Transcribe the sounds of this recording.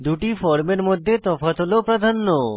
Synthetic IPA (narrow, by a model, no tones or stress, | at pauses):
d̪uʈifɔɾmeɾmod̪ʱːet̪ɔfat̪ɦolopɾad̪ʱanːo